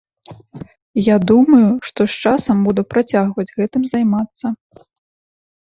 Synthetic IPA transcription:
jad̪umɐjuʂt̪ɔʂt͡ʂasɐmbud̪upɾat͡sʲaɣvɐd͡zʲɣɛt̪ɨmzajmat̪sːɐ

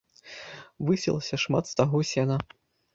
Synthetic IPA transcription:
vɨsʲɛ̰lˠɐsʲɐʂma̰t̪st̪aɣɔsʲɛnɐ

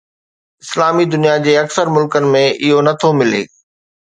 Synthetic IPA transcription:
ɪslaːmid̪ʊnijad͡ʑeːɐksəɾmʊlkənɪ̆mẽʔɪɦonɐt̪ʰomɪlḛː

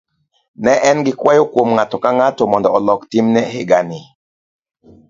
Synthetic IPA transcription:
nɛʔɛnɡikwajokwomŋatokaŋatomɔndɔɔlɔktimnɛheɡani

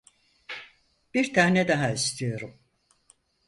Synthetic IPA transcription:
b̥iɾt̪ʰaːnɛd̪aɦaist̪ʰijo̞ɾum

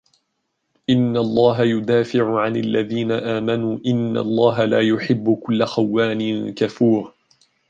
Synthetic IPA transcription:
ʔɪnːalˤːɑːɦajʊd̪aːfɪʕʊʕanalːaðiːnaʔaːmanuːʔɪnːa̰lˤːɑːɦalaːjʊħɪbːʊkʊlːaxawːaːnɪnkafuːɾ

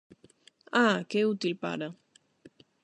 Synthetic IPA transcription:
akeut̪ilpa̰ɾa

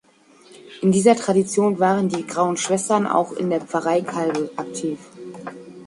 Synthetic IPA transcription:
ʔɪndiːzɐtʁ̥adit͡sjoːnvaːʁəndiːɡʁaʊənʃv̥ɛstɐna̰ʊxɪ̰ndeːɐp͡faʁaɪkʰalɡəʔak̚tʰiːf

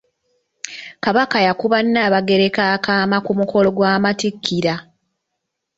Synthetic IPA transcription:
kaβakajakuβanːaːβaɡe̞ɾe̞kaːkaːmakumuko̞lo̞ɡwaːmatikʰːiɾa

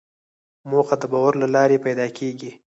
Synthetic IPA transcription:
moxad̪əbɑwaɾlalɑɾepajd̪ɑkʰeɡi

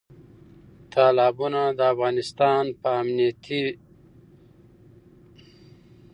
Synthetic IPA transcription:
t̪ʰaːlɑːbunad̪əafɣɑːnɪst̪ɑːnpəːmnijat̪ʰi

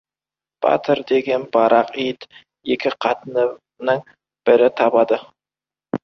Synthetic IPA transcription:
b̥ɑ̰t̪ʰəɾd̪e̞ɡʲe̞nbɑɾɑqijd̪ | ekʲɪqʰɑt̪ənə | nəŋ | b̥ɪɾɪt̪ʰɑbɑd̪ə

